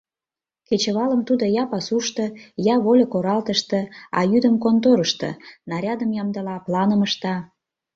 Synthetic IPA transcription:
ket͡ɕəβɑləmt̪ud̪ojɑpɑsuʃt̪ɤ̆jɑβolʲokoɾɑlt̪əʃt̪ɤ̆ɑ̰jyd̪əmkont̪oɾəʃt̪ɤ̰nɑɾʲɑd̪əmjɑmd̪əlɑplɑnəməʃt̪ɑ

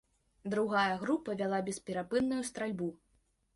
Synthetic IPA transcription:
d̪ɾuɣajɐɣɾupɐvʲalˠabʲɛspʲɛɾapɨnːujust̪ɾalʲbu

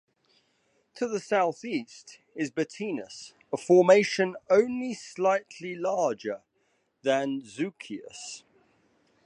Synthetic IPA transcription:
tʰəðəsaʊθiˑst | ɪzbətʰiːnəs | əfɔːmeɪʃə̃nə̃ʊ̃nlislaɪtʰlilɑːd͡ʒə | ðə̃nzʉˑkʰiə̰s

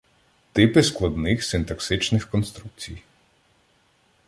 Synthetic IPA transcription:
t̪ɪpɪsklˠɐd̪nɪxsɪnt̪ɐksɪt͡ʃnɪxkɔnst̪ɾuk̚t͡sʲij

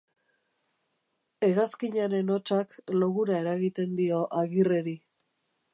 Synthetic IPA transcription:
e̞ɣaskiɲaɾe̞no̞t͡ʃakloɣuɾae̞ɾaɣit̪e̞nd̪io̞ʔaɣire̞ɾi

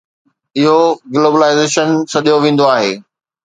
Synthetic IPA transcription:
ɪɦoɡloːbəlaːɪzeːʃənsɐɗijoʋẽːn̆d̪oaːɦeː

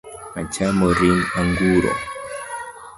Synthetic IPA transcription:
at͡ʃamɔɾinaŋɡuɾɔ̰

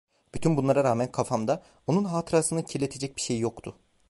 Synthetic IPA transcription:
b̥yt̪ʰynbunlˠaɾaɾaːmænkʰafamd̪a | o̞nunɦaːt̪ʰɯɾasɯnɯcʰilʲe̞t̪ʰe̞d͡ʒɛc̚biʃejːjo̞kt̪ʰʊ

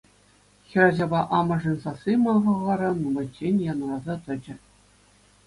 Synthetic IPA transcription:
xʲiɾɑʑɑbɑʔɑmɤ̆ʐɤ̆nʲsɑsimɑʁɤ̆ʁɑɾɤ̆numɤ̆t͡ɕːenʲjɑnɤ̆lɑzɑt̪ɤ̆d͡ʑɘ̆

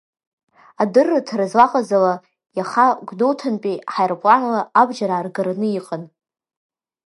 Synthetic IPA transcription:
adɨrːatʰrazlaqʼazala | jaχaɡʷdowtʰanpʼiħajrpʼlanlaabd͡ʒaɾaːrɡaɾanɨjiqʼan

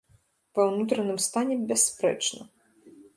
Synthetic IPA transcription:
vɐwnut̪ɾɐnɨmst̪anʲɛbʲaspɾɛ̰t͡ʂnɐ

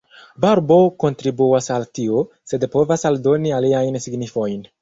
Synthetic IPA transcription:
baɾbo̞ko̞ntɾibuasaltio | se̞d̪po̞vasaldo̞nialiajnsiɡnifo̞jn

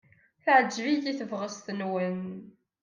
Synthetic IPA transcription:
θʕəd͡ʒvijiθəvʁəst̪ənwən

